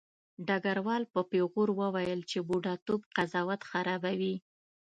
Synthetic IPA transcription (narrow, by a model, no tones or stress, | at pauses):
ɖaɡaɾwɑlpəpeɣoɾwəwajəlt͡ʃebuɖɑt̪obqazɑwat̪xaɾɑbawi